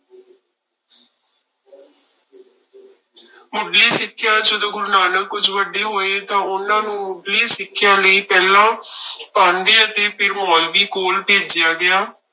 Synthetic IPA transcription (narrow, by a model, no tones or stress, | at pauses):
mʊɖliːsɪkʰːɪjãːd͡ʒəd̪õːɡʊɾnaːnəkːʊd͡ʒʋəɖeːɦoːeːt̪ãːʊnãːnũːmʊɖliːsɪkʰːɪjãːləiːpɛːlãːpãːnd̪eːət̪eːpɪɾmɔːlʋiːkoːlpeːd͡ʒɪjaːɡɪaː